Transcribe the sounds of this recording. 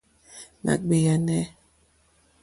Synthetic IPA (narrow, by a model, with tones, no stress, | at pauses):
na̰˨k̚be˨ja˨nɛ˦